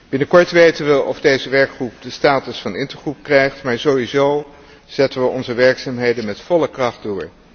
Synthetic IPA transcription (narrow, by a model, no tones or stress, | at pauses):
b̥ɪnəkɔɹtʋejtənʋəʔɔvdejzəʋɛɹkχrup̚dəstaːtəsfɑnɪntəɹχrup̚krɛjχtmaːɹzowizow | z̥ɛtənʋəʔɔnzəʋɛɹksaːmɦejdənmɛtfɔləkrɑχddʊːɹ